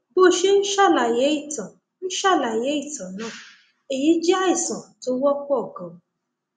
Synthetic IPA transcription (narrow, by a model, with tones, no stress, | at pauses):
bo˦˨ʃe˦n̩˦ʃa˦˨la˨je˨˦i˦˨tɔ̃˨ | n̩˦ʃa˦˨la˨je˨˦i˦˨tɔ̃˨nãː˦˨ | e˨ji˨˦d͡ʒi˦a˦i˦˨sɔ̃˨to˦wɔ˦k͡pʷɔ˦˨ɡɔ̃˨˦